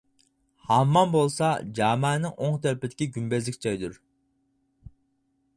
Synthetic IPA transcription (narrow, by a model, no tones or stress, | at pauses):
hɑmːɑnbolˠsɑd͡ʒɑːmɛːnɪŋʔoŋt̪ʰɛɾpɪd̪ɪ̥kʲiɡʲymbɛzlɪkʲt͡ʃʰɑjd̪uɾ